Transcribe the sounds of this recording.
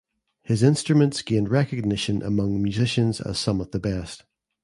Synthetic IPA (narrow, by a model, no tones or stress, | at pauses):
hɪzɪ̃nstɹ̥əmə̃ntsɡ̥ẽnɹɛkəɡ̚nɪʃə̃nʔə̰mʌ̃ŋmjʉzɪʃə̃nzə̰z̥sʌ̃məvðəbɛst